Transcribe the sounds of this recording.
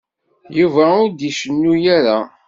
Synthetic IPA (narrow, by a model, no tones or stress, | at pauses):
juvæʊɾd̪iʃənːujæɾa